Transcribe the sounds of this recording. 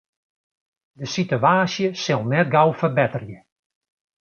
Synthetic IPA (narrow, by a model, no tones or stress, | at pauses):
dəsityaːsjəsɪlˠnɛt̚ɡawfərbɛtərjə